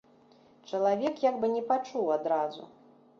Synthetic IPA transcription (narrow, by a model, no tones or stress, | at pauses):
t͡ʂɐlˠavʲɛkjaɡbɨnʲɛpat͡ʂuwad̪ɾazṵ